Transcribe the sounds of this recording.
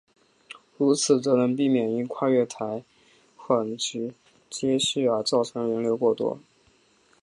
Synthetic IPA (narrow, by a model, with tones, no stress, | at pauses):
ɻu˧˥t͡sʰɹ̩˨˩t͡sɤ˧˥nə˧˥ŋpi˥˩mjɛ˨˩ni˥nkʰwa˥˧ɥɛ˥˩t̪ʰa˧˥ɪ | xə˨˩nt͡ɕy˧˥ | t͡ɕjɛ˥ɕy˥˩ə˞˧˥t͡sɑ˥˩ʊʈ͡ʂʰɤ˧˥ŋɻə˧˥nljo˧˥ʊkwɔ˥˩t̪wɔ̰˥